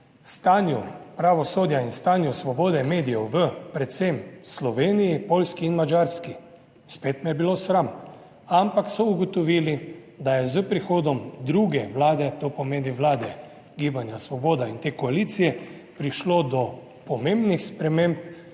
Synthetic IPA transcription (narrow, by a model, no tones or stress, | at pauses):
st̪aːnjupɾaʋɔsoːd̪jainst̪aːnjusʋɔboːd̪ɛmeːd̪ijɛwʋəpɾɛt̪semslɔʋeːnijipoːlskiinmad͡ʒaɾski | speːt̪mɛjɛbilosɾam | ampaksɔuɡɔt̪ɔʋiːli | d̪ajɛzəpɾixoːd̪ɔmd̪ɾuɡɛʋlaːd̪ɛt̪opɔmeːniʋlaːd̪ɛ | ɡiːbanjasʋɔboːd̪aint̪eːkɔaliːt̪sijɛ | pɾiʃlod̪ɔ | pɔmẽmbnixspɾɛmẽmp